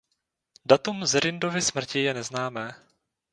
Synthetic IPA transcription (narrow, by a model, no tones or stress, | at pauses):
dat̪umzɾɪndo̞vɪsmr̩cɪjɛnɛznaːmɛː